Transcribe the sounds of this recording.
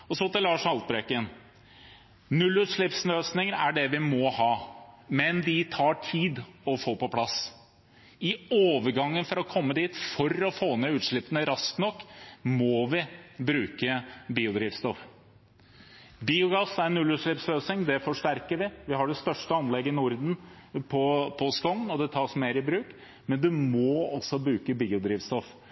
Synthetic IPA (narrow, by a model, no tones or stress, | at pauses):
ɔsɔt̪ɪlɑːʂhɑlt̪̚bɾeːkən | nʉlːʉːt̪ʂɭɪpsnøːsnɪŋəɾæɖɛʋɪmɔhɑːmɛnd̪ɪt̪ʰɑːʈʰiːd̪ɔfoːpɔpʰlɑs | ɪoːʋəɾɡɑŋːənfɔɾɔkʰɔmːəd̪iːt̪fɔɾɔfoːnɛʉːt̪ʂɭɪpːənəɾɑsknɔkːmɔʋɪbɾʉːkəbiːʊd̪ɾiːʋst̪ɔf | biːʊɡɑsæɾɛnʉlʉːʂɭɪpsløːsɪŋd̪ɛfɔʂʈæɾkəɾʋɪʋɪhɑɖɛst̪œʂʈəɑnlɛɡːəɪnʊɾd̪n̩pʰɔpʰɔskɔŋːnɔd̪ɛt̪ʰɑːʂmeːɾɪbɾʉːk | mɛnd̪ʉmoːɔsɔbɾʉːkəbiːʊd̪ɾiːʋst̪ɔf